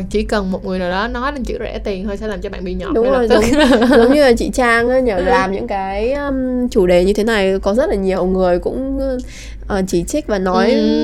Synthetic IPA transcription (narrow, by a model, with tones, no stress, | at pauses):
t͡ɕḭ˧˩kə˨˩nmo˨˩t̚ŋɨ˨˩əjnaː˨˩ɗɔ˨˦nɔ˨˦jlaː˨˩t͡ɕɨ̰˧˥zɛ̰˧˥˩t̪i˨˩nhəː˧jsɛ̰˧˥laː˨˩mt͡ɕɔ˧ɓa̰ː˧˨ɓi˧ɲɔ˧˨ɗʊ˨˦ŋ͡mzo˨˩jzʊ˧˨˦ŋ͡mzə˨˦wŋ͡mɲɨ˧laː˨˩t͡ɕḭ˧˨t͡ɕaː˧ŋʔaː˨˦ɲəː˧˩laː˨˩mɲɨ̰˧˥ŋkaː˨˦jə˧t͡ɕu˧˩ɗe˨˩ɲɨ˧t̪ʰe˨˦na˨˩jkɔ˨˦zə˦˥t̚laː˨˩ɲi˨˩ə˩wŋɨ˨˩əjkʊ̰˧˥ŋ͡m | ʔəː˨˩t͡ɕi˧˩t͡ɕï˦˥k̟̚vaː˨˩nɔ˨˦j